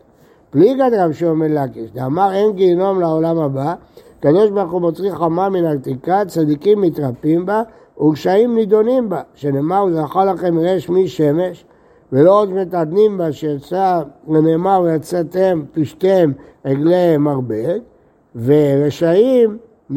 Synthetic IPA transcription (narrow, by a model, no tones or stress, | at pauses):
b̥liɡad̪ʁavʃeomedlakiʃd̪eamaʁe̞nɡino̞mlaolamhaba | kad̪o̞ʃbaʁχubotʁiχamaminat̪ikat͡sad̪ikimːit̪ʁapimba | uʁʃaimnid̪o̞nimbaʃenemaʁuzaχalaχe̞mʁeʃmiʃe̞me̞ʃ | velo̞ʁot͡smet̪ad̪nimbaʃejat͡salememaʁjat͡sat̪empiʃt̪emeɡlemaʁbe̞d | ve̞ʁeʃaim